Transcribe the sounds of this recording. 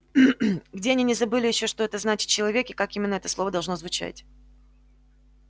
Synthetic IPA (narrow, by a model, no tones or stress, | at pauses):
ɡdʲe̞ɐnʲinʲɪzɐbɨlʲɪjɪɕːo̞ʂt̪o̞ɛt̪əznat͡ɕɪt̪̚t͡ɕːɪlˠɐvʲe̞kʲɪkakimʲɪnːəɛt̪əslˠo̞vəd̪ɐlˠʐnozvʊt͡ɕæ̰tʲ